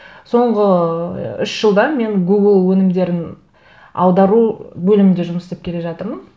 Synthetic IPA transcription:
so̞ɴʁə | ʏʃʒ̥əlˠd̪ɑme̞ŋɡuɡlˠwɵnɪmd̪e̞ɾɪn | ɑ̰lˠd̪ɑɾubɵlɪmɪnd̪eʒʊməsepkʲʰe̞le̞ʒɑt̪əɾmən

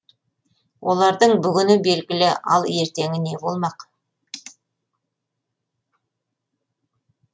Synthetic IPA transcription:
wʔo̞lˠɑɾd̪əɴbʏɡʲɪnɪbe̞lɡʲɪlɪɑ̰lˠe̞ɾt̪e̞ŋɪne̞bo̞lˠmɑq

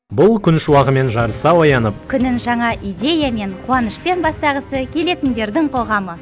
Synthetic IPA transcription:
bʊlˠkʲʰʏnʃuwɑʁəme̞nʒɑɾəsɑwɑjɑnəp̚kʲʰʏnɪŋʒɑɴɑʔijd̪ʲe̞jame̞ɴqʰuwɑnəʃpe̞nbɑst̪ɑʁəsəkʲʰe̞le̞t̪ɪnd̪e̞ɾd̪ɪŋqʰo̞ʁɑmə

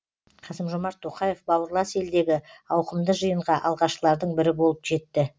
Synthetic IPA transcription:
qʰɑsəmʒomɑɾt̪ʰːo̞qɑje̞fbɑwəɾlˠɑse̞ld̪e̞ɡʲɪɑwqəmd̪əʒəjəɴʁɑʔɑ̰lˠʁɑʃəlˠɑɾd̪əɴbɪɾɪbo̞lˠəpʒe̞t̪ːɪ

